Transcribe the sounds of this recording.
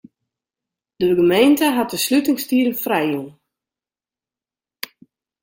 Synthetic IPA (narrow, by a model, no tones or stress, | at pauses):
d̥əɡəmejntəɦat̚dəslytɪŋstiələfrɛjun